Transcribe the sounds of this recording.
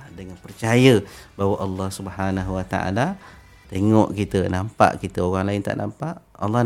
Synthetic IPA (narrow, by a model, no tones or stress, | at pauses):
dəŋanpərt͡ʃajəbawaʔɑlːɑhsubhanaɦuwat̪a̰ʔa̰la | t̪eŋɔ̰ʔkit̪ənampa̰ʔkit̪əoɣaŋlaɪnt̪a̰ʔnampaʔɑ̰lːɑh